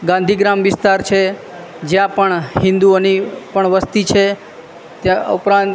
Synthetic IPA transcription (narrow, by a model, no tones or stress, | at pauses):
ɡãnd̪ʱiɡɾamʋɪst̪aɾt͡ʃʰe | d͡ʒjãpəɳɦɪ̃nd̪uonipəɳʋəst̪it͡ʃʰe | t̪jãə̰upɾãnt̪